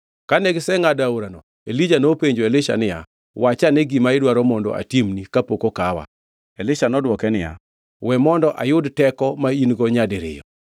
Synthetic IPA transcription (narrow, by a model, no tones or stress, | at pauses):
kanɛɡsɛŋadaoɾanɔ | elid͡ʒanopeɲd͡ʒoelɪʃa̰nɪja̰ | wat͡ʃanɛɡimaɪdwaɾɔmɔndɔ̰a̰timnikapokokawa̰ | elɪʃanɔdwɔkɛnɪja̰ | wɛmɔndɔʔajʊdtɛkɔmainɡɔɲadɪɾɪ̰jɔ̰